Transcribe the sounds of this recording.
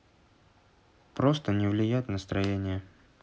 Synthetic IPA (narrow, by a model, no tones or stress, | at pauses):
pɾo̞st̪ənʲɪvlʲɪjætʲnəst̪ɾɐjenʲɪjə